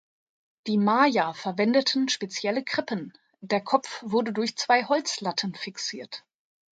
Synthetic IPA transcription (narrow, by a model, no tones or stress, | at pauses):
d̥iːmaːjafɛɐvɛndətʰən̩ʃpet͡sjɛləɡʁ̥ɪpʰən | deːɐkʰɔp͡fv̥ʊɐdədʊɐçt͡sv̥aɪhɔlt͡slatʰənfɪksiːɐt